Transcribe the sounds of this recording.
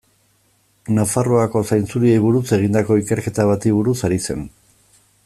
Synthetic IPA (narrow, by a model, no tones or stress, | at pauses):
nafaroako̞sajnt͡suɾie̞jβuɾuse̞ɣ̞ind̪ako̞ike̞ɾke̞t̪aβ̞at̪iβuɾusaɾise̞̰n